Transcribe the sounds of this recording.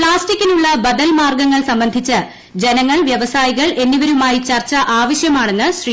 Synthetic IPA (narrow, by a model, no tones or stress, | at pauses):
ɭaːstikʲːinuɭːɐbɐd̪ɐlmaːrɡɐŋːɐɭsɐmbɐnd̪ʱit͡ɕːɨ | d͡ʑenɐŋːɐɭʋjɐʋɐsaːjiɣɐɭʔe̞nːiʋɐɾumaːjit͡ɕɐrt͡ɕːɐʔaːʋɐɕjɐmaːɳe̞nːɨɕri